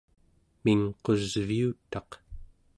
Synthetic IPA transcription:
miŋqo̞zviut̪ɑq

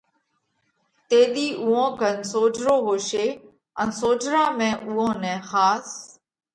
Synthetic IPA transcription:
t̪eːɗiːʔuːõːɡʱənsoːd͡ʒʱɾoːɦoːʃeː | ənsoːd͡ʒɾãːmẽːʔuːõːnɛ̃ːxaːs

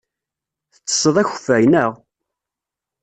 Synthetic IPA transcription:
θə̥t͡sːə̥sˤəðˤæçfæjnəʁ

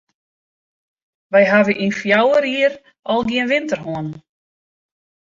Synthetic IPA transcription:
vajɦaːvɪʔinfjaːwaɾiːɾ | alɣ̬iɛnvɪnt̪əɾ̥ɦɔn

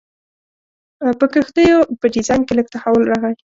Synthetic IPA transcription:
pəkəxd̪əjopəɖizɑjnkelək̚t̪ahawəlɾaɣaj

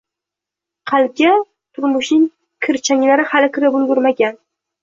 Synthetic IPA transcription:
qʰɑlɡʲa | t̪ʰʊɾmʊʃnɪŋ | kʲʰɪɾt͡ʃʰaŋʲlaɾɪhalɪkʲʰɪɾɪbʊlˠɡʊɾmaɡʲan

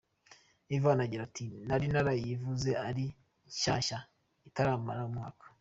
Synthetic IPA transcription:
ivaːnaɟiɾatʰinaɾinaɾajivuze̞aɾi | ʃaːʃa | itaɾaːmaɾaumŋaːkḁ

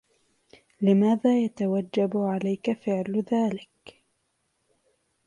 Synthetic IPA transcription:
lɪmaːðaːjat̪awad͡ʒːabʕalajkafɪʕlðaːlɪk

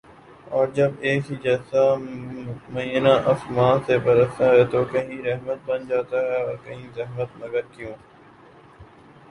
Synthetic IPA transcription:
ɔːɾd͡ʒəbeːkɦid͡ʒɛːsa | mə̃iːənãʔɐsmãːsebəɾəsaɦɛt̪oːkɐɦĩɾɛɦmət̪̚bənd͡ʒaːt̪aɦɛɔːɾkɐɦĩzɐɦmət̪̚nəɡəɾkjõː

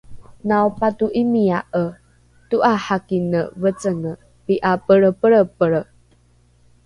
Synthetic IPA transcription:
naupatuʔimiaʔə | tuʔaħakinəvət͡səŋə | piʔapəɾəpəɭəpəɭə

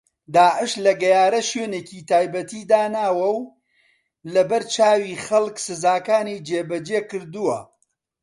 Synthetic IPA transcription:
d̪aːʕɪʃlɐɡɐjaːɾɐʃøːneːciːt̪aːjbɐt̪iːd̪aːnaːwɐw | lɐbɐɾt͡ʃaːwiːχɐlˠksɨzaːkaːniːd͡ʒeːbɐd͡ʒeːkɨɾd̪uwɐ

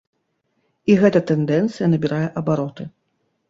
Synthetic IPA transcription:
iɣɛt̪ɐt̪ɛnd̪ɛnt̪sɨjɐnɐbʲiɾajɛʔɐbaɾɔt̪ɨ

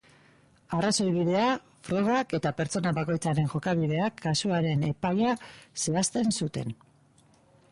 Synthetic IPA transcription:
araso̞jβiðe̞a | fɾo̞ɣ̞ake̞t̪ape̞ɾt͡so̞naβako̞jt͡saɾe̞ŋʝo̞kaβiðe̞akʰːasuaɾe̞ne̞pajase̞ast̪e̞nsut̪e̞̰n

